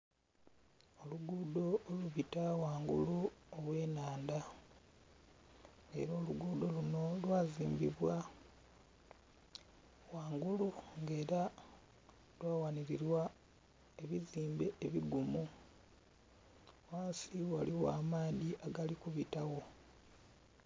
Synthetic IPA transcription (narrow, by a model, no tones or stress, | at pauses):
o̞luɡudo̞luβitawaːŋɡṵluolwe̞ːnaːnda | ŋḛɾo̞ːluɡuːd̪o̞luno̞lwaːziːmbiβwa | waːŋɡuluŋɡe̞ːɾa | lwaːwaniɾiɾwa | e̞βiziːmbeeβiɡumu | waːnsiwaliwa̰ːmaːðiʔaɡalikuβitawo̞